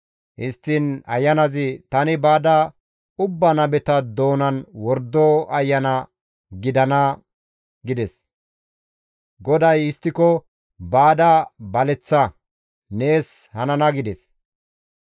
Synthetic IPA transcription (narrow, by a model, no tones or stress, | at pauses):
hɪst̪ːɪnɐ̰jːɐnɐzɪt̪ɐnɪbaːd̪ɐ | ʊbːɐnɐbɛt̪ɐd̪o̞ːnɐnwɔɾd̪ːoɐjːɐnɐ | ɡɪd̪ɐnɐ | ɡɪd̪ɛs | ɡɔd̪ɐjɪst̪ːɪkɔ | baːd̪ɐbɐlɛt͡sːɐ | ne̞ːshɐnɐnɐɡɪd̪ɛs